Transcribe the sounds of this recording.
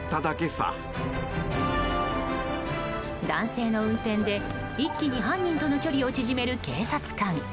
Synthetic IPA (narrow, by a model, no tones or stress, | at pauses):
t̪ːad̪ake̞sa̰ | d̪ãɰ̃se̞ːno̞ɯ̟̃nt̪ẽ̞nd̪e̞ | ikʲːiɲ̟iɦãɲ̟ːĩnt̪o̞no̞kʲo̞ɾʲio̞t͡ɕiʑime̞ɾɯ̟ke̞ːsat͡sɨ̥kãŋ